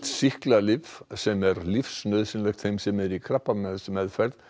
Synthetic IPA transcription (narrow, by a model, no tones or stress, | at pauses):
t̪sihklalɪvsɛmɛɾlifsnœðsɪnlɛjxt̪θejmsɛmɛɾikʰɾahpːamɛðsmɛðfɛɾð